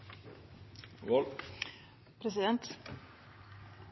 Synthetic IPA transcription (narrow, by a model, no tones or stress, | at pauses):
vɔl | pʰɾɛs̬ɪd̪ɛnt̪